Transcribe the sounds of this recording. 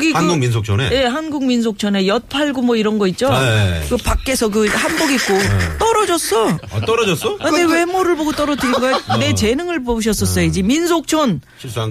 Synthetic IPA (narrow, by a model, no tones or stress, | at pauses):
kɡianɡuŋmins̬ʰok̚t͡ɕʰonḛje̞hanɡuŋmins̬ʰok̚t͡ɕʰʌne̞jʌt̚pʰaɭɡomwʌiɾʌnɡʌit̚t͡ɕ͈okɯpak̚k͈e̞sʰʌk̬ɯhanboɡit̚k͈ot͈ʌɾʌd͡ʑʌs͈ʌt͈ʌɾʌd͡ʑʌs͈ʌane̞we̞moɾɯɭboɡot͈ʌɾʌdɯɾiɡane̞t͡ɕe̞nɯŋɯɭboɯɕ̬ʰʌs͈ʌs͈ʌjoid͡ʑiminsʰok̚t͡ɕʰonʰ